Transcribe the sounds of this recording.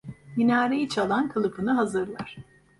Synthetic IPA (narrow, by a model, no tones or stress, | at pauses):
minaːɾejit͡ʃʰalˠankʰɯlˠɯpʰɯnɯɦazɯɾlˠaɾ̥